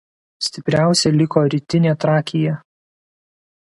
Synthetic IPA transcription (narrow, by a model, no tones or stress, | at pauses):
sʲt̪ʲɪpʲɾʲæˑʊsʲɛlʲɪkoːɾʲɪt̪ʲɪnʲeːt̪ɾɑːkʲɪjɛ